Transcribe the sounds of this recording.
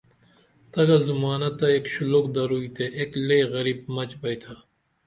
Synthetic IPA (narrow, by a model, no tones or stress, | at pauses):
t̪ɐɡɐzumaːnɐt̪ːɐeːkɕulokd̪ɐɾuit̪ʰeʔeːkleːɣɐɾiːbmɐt͡ɕbɐjt̪ʰa